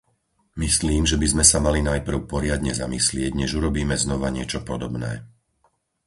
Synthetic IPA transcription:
misliːmʒɛbizmɛsamalinajpr̩ʊpɔɾɪad̪ɲɛzamislɪɛɟɲɛʒuɾɔbiːmɛznɔʋaɲɪɛt͡ʃɔpɔd̪ɔbnɛ̰ː

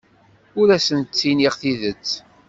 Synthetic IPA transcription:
ʊɾæsənt͡sːiniʁθiðət͡sː

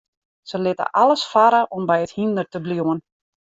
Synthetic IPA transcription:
səlɪtə̰ʔalˠəsfaɾəʔɔmbɛjəthindərtəbluwən

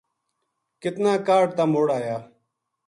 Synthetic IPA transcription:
kɪt̪nãːkaːʈ̚t̪aːmoːɽaːjaː

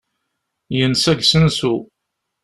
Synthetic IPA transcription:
jənsæɡsənsu

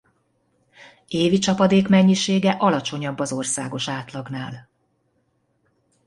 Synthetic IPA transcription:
eːvit͡ʃɒpɒd̪eːkmɛɲːiʃeːɡɛʔɒlɒt͡ʃo̞ɲɒbːɒzo̞rsaːɡo̞ʃaːt̪lɒɡnaːl

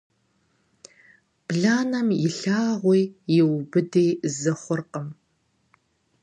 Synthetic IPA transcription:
b̥ɮaːnɐmjɪɬaːʁʷijjɪwbɨdeːjzɐχʷʊrqəm

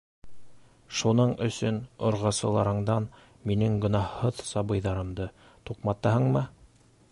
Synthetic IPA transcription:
ʃunɤɴɵ̆sɵnŏɾʁɑsɤ̆lˠɑɾɤ̆ɴd̪ɑn | minɘŋɡɵ̆nɑhːɤðsɑβɤ̆jðɑɾɤ̆md̪ɤ | t̪uqmɑt̪ɑɦɤɴmɤ

